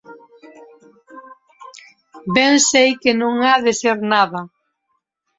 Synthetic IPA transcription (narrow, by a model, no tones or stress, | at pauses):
bɛŋsejkɪnõŋaðɪseɾnaðɐ